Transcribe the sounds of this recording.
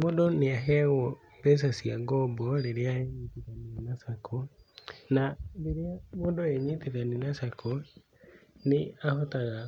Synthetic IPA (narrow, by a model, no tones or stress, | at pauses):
modɔneaɦɛɣɔ | bɛs̬asiaɡɔbɔɾeɾeaeɲiteðaninasakʰo | naɾeɾeamodɔeɲiteðaninasakʰo | neahotaɣa